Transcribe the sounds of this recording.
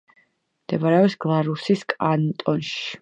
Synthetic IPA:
md̪̥ɛbaɾɛɔsɡ̥lˠaɾusiskʼant̪ʼɔnʃi̥

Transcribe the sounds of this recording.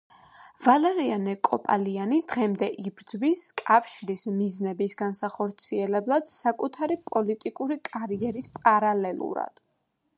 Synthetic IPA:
valɛɾianɛkʼɔpʼa̰lianid̪̥ʁɛmd̪ɛʔibɾd̪zwiskʼafʃiɾismiznɛbisɡansaχɔɾt̪sʰiɛlɛblˠad̪̥sakʼut̪ʰaɾipʼɔlit̪ʼikʼuɾikʼaɾiɛɾispʼaɾalɛlˠṵɾa̰d̪̥

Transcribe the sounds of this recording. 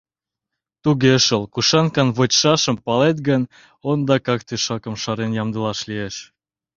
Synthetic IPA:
t̪uɣeəʃəlkuʃɑnkɑnβət͡ɕʃɑʃəmpɑlet̪ɡən | ond̪ɑkɑkt̪eʃɑkə̆mʃɑɾenjɑmd̪əlɑʃlieʃ

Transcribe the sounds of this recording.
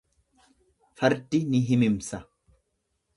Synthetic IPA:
fɐɾd̪ɪnɪɦɪmɪmsɐ

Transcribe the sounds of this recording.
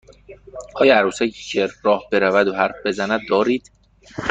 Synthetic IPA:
ʔɒːjæɾuːsækʰicʰeɾɒːhbe̞ɾævæd̪oɦæɾfbe̞zænæd̪̚ːɒːɾiːd̪̥

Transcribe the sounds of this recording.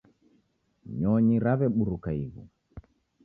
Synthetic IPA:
ɲɔɲiɾaβɛɓuɾukaiβu

